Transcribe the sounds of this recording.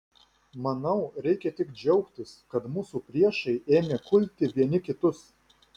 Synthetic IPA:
mɐnɐʊɾʲɛɪkʲɛt̪ʲɪkd͡ʒʲɛʊkt̪ʲɪskɐt̪mʊsupʲɾʲiɛʃɐɪeːmʲekʊlʲt̪ʲɪʋʲiɛnʲɪkʲɪt̪ʊs

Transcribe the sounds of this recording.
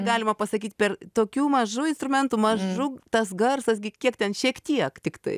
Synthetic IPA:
ɡɑːlʲɪmɐpɐsɐkʲiːt̪pʲɛrt̪oːkʲuːmɐʒuɪnst̪ɾʊmʲɛnt̪uːmɐʒʊt̪ɐsɡɐrsɐsɡʲɪkʲiɛkt̪ʲɛnʃʲiɛkt̪ʲiɛkt̪ʲɪkt̪ɐ̰ɪ

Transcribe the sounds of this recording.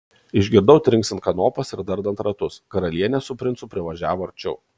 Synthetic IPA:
ɪʒʲɡʲɪɾd̪ɐʊt̪ʲɾʲɪŋksʲɪnt̪kɐnoːpɐsɪɾd̪ɐɾd̪ɐnt̪ɾɐt̪ʊskɐɾɐlʲiɛnʲɛsʊpʲɾʲɪnt̪sʊpʲɾʲɪʋɐʒʲæːʋoːɐɾʲt͡ʃʲɛʊ

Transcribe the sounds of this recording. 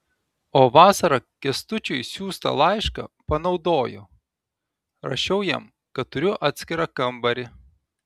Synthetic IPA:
oːʋɑːsɐɾɐkʲɛst̪ʊt͡ʃʲʊɪsʲuːst̪ɐ̰lˠɑɪʃkɐ̰pɐnɒʊd̪oːjo̰ː | ɾɐ̰ʃʲɛʊjɛ̰m | kɐt̪ʊɾʲʊʔɑːt̪ʲsʲkʲɪɾɑkɐmbɐɾʲɪ

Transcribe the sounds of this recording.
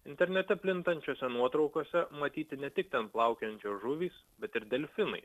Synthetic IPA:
ɪnʲt̪ʲɛɾʲnʲɛt̪ʲɛpʲlʲɪnt̪ɐnʲt͡ʃʲoːsʲɛnuɔt̪ɾɒʊkoːsʲɛmɐt̪ʲiːt̪ʲɪnʲɛt̪ʲɪk̚t̪ʲɛnplˠɑˑʊkʲɛnʲt͡ʃʲoːʒʊʋʲiːs | bʲɛt̪ɪɾd̪ʲɛlʲfʲɪnɐ̰ɪ

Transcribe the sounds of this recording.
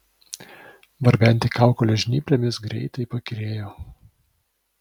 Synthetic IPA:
ʋɐɾʲbʲɛnʲt̪ʲɪkɑˑʊkolʲɛʒʲnʲiːpʲlʲɛmʲɪsɡɾʲɛ̰ɪt̪ɐɪpɐkʲɾʲeːjoː

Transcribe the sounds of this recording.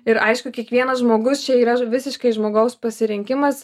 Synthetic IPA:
ɪɾɐɪʃkʊkʲiɛkʋʲiɛnɐsʒmoːɡʊst͡ʃʲɛiːɾɐʋʲɪsʲɪʃkɐɪʒmoːɡɐʊspɐsʲɪɾʲɪŋʲkʲɪmɐs

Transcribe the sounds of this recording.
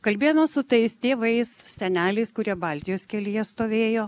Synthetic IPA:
kɐlʲbʲeːjomʲɛsʊt̪ɐɪst̪ʲeːʋɐɪssʲɛnʲæːlʲɛɪskʊɾʲiɛbɑlʲt̪ʲɪjoːskʲɛlʲɪjɛst̪oːʋʲeːjoː

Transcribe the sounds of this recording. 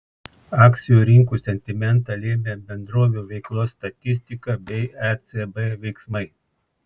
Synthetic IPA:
ɑːkt̪sʲɪjuːɾʲɪŋkuːsʲɛnʲt̪ʲɪmʲɛnt̪ɑlʲeːmʲeːbʲɛnd̪ɾoːʋʲuːʋʲɛɪklˠoːsːt̪ɐt̪ʲɪsʲt̪ʲɪkɐbʲɛɪɛt̪sɛbɛʋʲɛɪksmɐɪ

